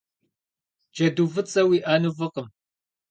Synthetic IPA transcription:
d͡ʒɐduːvɨt͡sʼɐwiːʔaːnuvəqəm

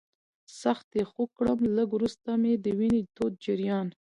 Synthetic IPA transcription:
saxt̪exokɽəmləɡwɾust̪amed̪əwinet̪ot̪̚d͡ʒɪɾjɑn

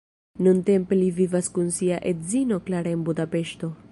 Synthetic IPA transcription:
nunte̞mpe̞livivaskunsiaʔe̞tzino̞klaɾeenbudape̞ʃto̞

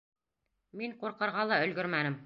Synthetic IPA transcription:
miɴquɾqɤ̆ɾʁɑlˠɑɵ̆lɡɵɾmænɘm

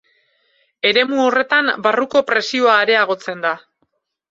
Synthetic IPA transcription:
e̞ɾe̞muo̞re̞t̪ambaruko̞pɾe̞sio̞aeɾe̞aɣ̞o̞t͡se̞nd̪a

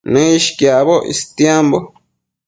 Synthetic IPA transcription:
nẽiʃkjaβoʔḭst̪jambo

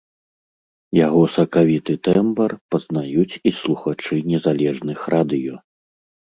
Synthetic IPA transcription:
jaɣɔsɐkavʲit̪ɨt̪ɛmbɐrpɐznajut͡sʲislˠuxat͡ʂɨnʲɛzalʲɛʐnɨxrad̪ɨjɔ

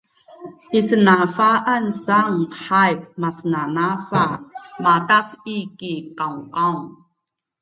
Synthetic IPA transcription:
ʔisənafaʔansaŋħajp̚masənanafamatasikikawʔawŋ

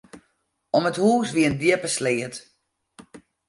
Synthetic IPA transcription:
ɔməthuːsʋiəndjɪpəslɪət

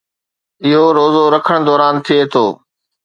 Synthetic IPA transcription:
ɪɦoɾoːzoɾɐkʰəɽ̃d̪ɔːɾaːnt̪ʰiet̪ʰoː

